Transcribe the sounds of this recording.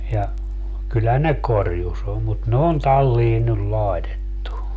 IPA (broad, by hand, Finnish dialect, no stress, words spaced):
jɑ kylːæ ne korjus om mut ne on tɑlːiː nyl lɑetetːu